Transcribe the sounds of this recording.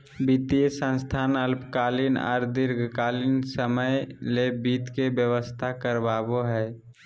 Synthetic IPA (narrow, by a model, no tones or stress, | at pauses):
bit̪ijəsə̃nst̪ʰanəlpkalinɔ̰ːɾd̪ɪɾɡʱkalinsəməjlebit̪kebjəwəst̪ʰakəɾbaboɦɛː